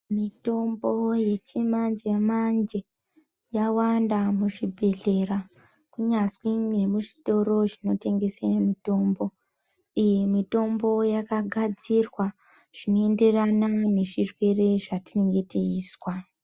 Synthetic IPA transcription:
mito̞mbo̞je̞t͡ʃimand͡ʒe̞mand͡ʒe̞ | jawandamuʐibʱe̞ɮe̞ra | kuɲaswiŋemuʐi̥to̞ɾo̞ʐino̞te̞ŋɡe̞semito̞ːmbo̞ | ije̞mito̞mbo̞jakaɡʱad͡zirwa | ʐ̥ino̞e̞nde̞ranane̞ʐirwe̞re̞ʐatine̞ŋɡe̞tiiːswa

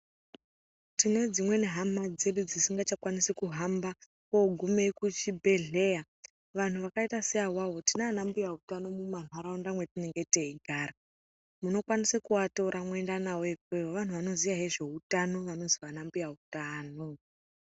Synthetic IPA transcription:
tine̞d͡zimwe̞ne̞ɦamad͡ze̞ɗud͡zisiŋɡat͡ʃakwanisekuɦamba | koɡʱumekut͡ʃibʱe̞ɮe̞ja | ʋan̤uʋakaitaseawawo̞tinanambujautano̞muman̤waɾaondamwe̞tine̞ŋɡe̞te̞iɡʱaːɾa | muno̞kwanisekuwato̞ɾʔamwe̞ndanawoekwewoʋan̤uʋano̞ziʋaɦeʐe̞utano̞ʋano̞ziʋanambujautaːno

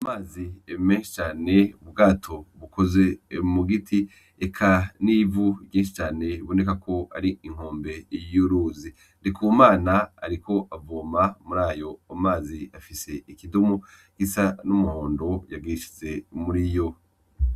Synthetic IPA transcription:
amaːzimeːnʃi̥t͡ʃaːne̞uβɡaːtʰo̞βukʰo̞ze̞muɡitʰi | ekʰanivuɟeːnʃit͡ʃaːne̞βo̞ne̞kakʰo̞a̰ɾiiŋ̥hoːmbe̞juɾuːzi | ndikumaːna̰ːɾikʰo̞ʔavoːmamuɾaːjo̞amaːziafise̞ikidumu | ɡ̥isanumuhoːndo̞jaɡiʃi̥ze̞muɾijo̞

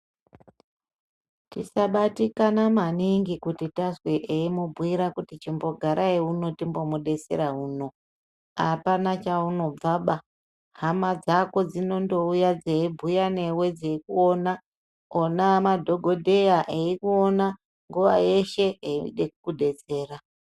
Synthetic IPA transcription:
tisaɓatikanamaniŋɡikutitasweʔeimubʱwiɾakutit͡ʃimbo̞ɡʱaɾʔaiuno̞timbo̞muɗe̞se̞̰ɾaɦuːno̞ | apanat͡ʃauno̞b͡vaɓa | hamad͡zako̞d͡zino̞ndo̞ujad͡zeibʱujane̞we̞d͡zeikuo̞na | onamadʱo̞ɡʱo̞dʱe̞jaʔeikuona | ŋɡuʋa̰je̞ʃe̞eiḭɗekukuɗe̞t͡se̞ːra

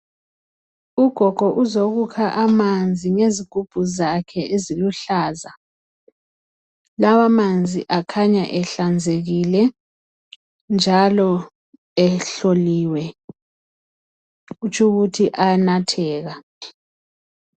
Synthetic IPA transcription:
uɡ̥ʱɔɡ̥ʱɔʔuzoɣukʰaʔamand͡zʱiŋeziɡ̥ʱub̥ʱuzakʰɛʔeziluɬaːza | lawamand͡zʱḭʔakʰaɲaʔɛɬand͡zʱeɣilɛ | nd͡ʒʱalɔ | ɛɬoliːwɛ | ut͡ʃʰuɣutʰiʔanatʰɛːɣa

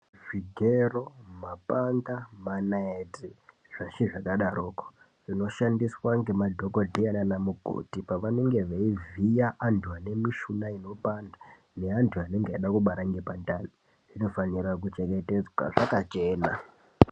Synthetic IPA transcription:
ʐiɡʱeromapandamanaeti | ʐ̥aʃiʐakaɗaɾoːko̥ | ʐino̞ʃandiswaŋɡe̞madʱoko̞dʱiananamuɡʱo̰tipaʋane̞ŋɡe̞ʋaivijaʔantʰuane̞miʃunaino̞panda | ne̞antʰuane̞ŋɡeaɗakuɓaɾaŋɡepandani | ʐino̞faniɾak̬ut͡ʃeŋɡe̞te̞d͡zwa̰ʐakat͡ʃe̞ːna

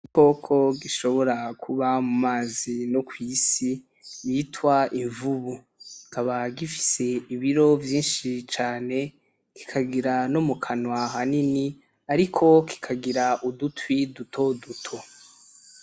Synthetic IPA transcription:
iko̞ːkʰo̞ɡiʃo̞βo̞ɾakʰuβamumaːzinokwiːsi | jiːtwaʔiɱvuβu | ikaβaɡifi̥se̞iβiɾo̞vjiːnʃit͡ʃaːne̞ | ki̥kʰaɡiɾanomukʰanwaɦanini | aɾikʰo̞kʰi̥kʰaɡiɾaʔudutwidutʰo̞dutʰo̞

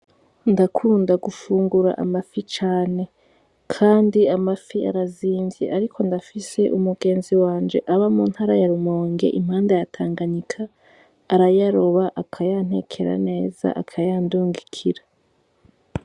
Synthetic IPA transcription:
ndakʰuːndaɡufuːŋɡuɾa̰ʔa̰mafit͡ʃaːne̞ | kʰaːndiamafia̰ɾaziːɱvjḛʔaɾikʰo̞ndafise̞ʔumuɡe̞ːnziwaːnd͡ʒe̞̰ʔaβamuːn̥haːɾajaɾumoːŋɡe̞̰ʔim̥haːndajatʰaːŋɡaɲikʰaː | ɾajaɾoβaʔakʰajan̥he̞̰ːkʰe̞ɾa̰ne̞ːz̥a̰ʔakʰajaːnduːŋɡikʰiɾa

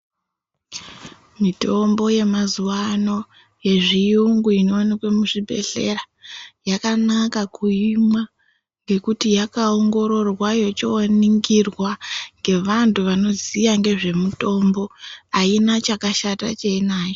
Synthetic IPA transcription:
mito̞mbo̞je̞mazuwano̞ | je̞ʐijuŋɡuinoːnakwe̞muʐibʱe̞̰ɬe̞̰ra | jakanakakuimwa | ŋɡe̞kutijakaoŋɡo̞ɾo̞rwajo̞t͡ʃoaniŋɡirwaŋɡe̞ʋantʰuʋano̞zijaŋɡe̞ʐe̞muto̞mbo̞ainat͡ʃakaʃata̰t͡ʃeinaːjo

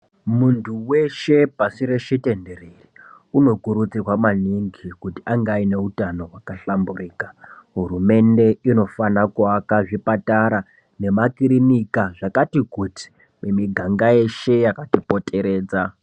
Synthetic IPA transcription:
muntʰuwe̞ʃe̞pasiɾe̞ʃite̞nde̞reri | uno̞kuɾut͡sikwamaniŋɡikutiaŋɡaine̞utano̞wakaɬamburiːkaɦurume̞nde̞ino̞fanakuakaʐipataɾa | ne̞makiɾinikaʐakatikuti̥ | memiɡʱaŋɡaje̞ʃe̞jakatipo̞tʰʼe̞ɾe̞ːd͡za

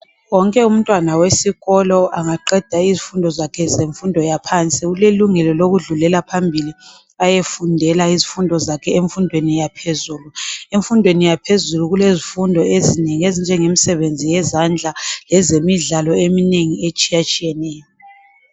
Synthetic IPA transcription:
wɔŋkʼɛum̩tʼwanawesiɣɔlɔaŋaǃɛd̥ʱaizifundʱɔzakʰɛzeɱfundʱɔjapʰant͡sʼiɣuleluŋɛlɔloɣuɮulɛlapʰambʱili | ajefundʱɛlaizifundʱɔzakʰɛeɱfundʱwenijapʰezuːlueɱfundʱwenijapʰezuluɣulezifundʱɔezineŋiezind͡ʒʱɛŋemisɛβend͡zʱijɛzand͡ɮʱalɛzemiɮalɔemineŋiet͡ʃʼijat͡ʃʼijɛnɛːjɔ

